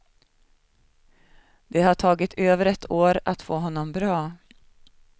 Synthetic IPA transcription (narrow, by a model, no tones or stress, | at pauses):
d̪ɛhaʈʰɑːɡɪt̪ʰøːvəɾɛt̪ʰoːɾat̪foːɦɔnːɔmbɾɑː